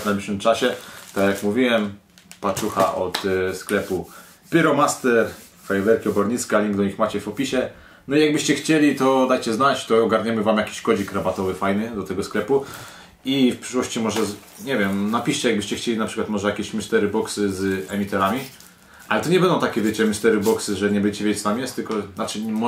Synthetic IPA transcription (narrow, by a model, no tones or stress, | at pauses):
vnajblʲiʂwɘmt͡ʂaɕɛt̪akjakmuvʲiwɛm | pat͡ʂuxa̰ʔɔt̪sklɛpu | pʲɘɾɔmast̪ɛɾ | fajɛvɛɾkʲiɔbɔɾɲit̪skalʲiŋɡd̪ɔɲixmat͡ɕɛfɔpʲiɕɛ | nɔijaɡ̚bɘɕt͡ɕɛxt͡ɕelʲit̪ɔd̪ajt͡ɕɛznat͡ɕt̪ɔɔɡaɾɲɛmɘvamjakʲi̥ɕkɔd͡ʑikɾabat̪ɔvɘfajnɘd̪ɔt̪ɛɡɔsklɛpu | ifpʂɘ̥ʂwɔɕt͡ɕimɔʐɛ | ɲɛvʲɛmnapʲiɕt͡ɕɛjaɡ̚bɘɕt͡ɕɛxt͡ɕelʲinapʂɘkwat̪mɔʐɛjakʲeɛɕmist̪ɛɾɘbɔksɘzɛmʲit̪ɛɾamʲi | ʔalɛt̪ɔɲɛbɛnd̪ɔ̃wt̪akʲɛvʲjet͡ɕɛmist̪ɛɾɘbɔksɘʐɛɲɛbɛɲt͡ɕɛvʲet͡ɕst̪amʲjɛst̪ɘlkɔnat͡ʂɘm